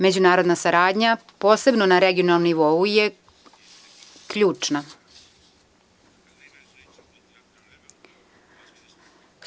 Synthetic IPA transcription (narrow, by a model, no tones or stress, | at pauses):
me̞d͡ʑunaːɾo̞d̪nasaɾaːd̪ɲapo̞ːse̞bno̞naɾeɡio̞nalˠnomniʋo̞uje | kʎuːt͡ʂna